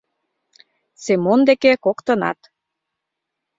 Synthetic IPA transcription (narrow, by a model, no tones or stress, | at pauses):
semond̪ekekokt̪ə̆nɑ̰t̪